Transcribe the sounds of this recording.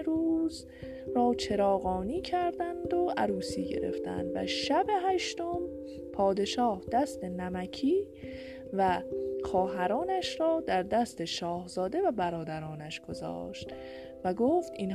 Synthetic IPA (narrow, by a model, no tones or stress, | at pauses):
ɾuːz | rɒːt͡ʃʰe̞ɾɒːɣɒːniːcʰæɾd̪ænd̪o̞ʔæɾuːsḭːɟe̞̰ɾe̞̰ft̪æ̰nd̪væ̰ʃæbe̞ɦæʃt̪o̞m | pʰɒːd̪e̞ʃɒːhd̪æst̪e̞næmæcʰiː | væxɒːɦæɾɒːnæʃɾɒːd̪æɾd̪æst̪e̞ʃɒːhzɒːd̪e̞væbæɾɒːd̪æɾɒːnæʃɡ̥o̞zɒ̰ːʃt̪ | væɡoːft̪iːn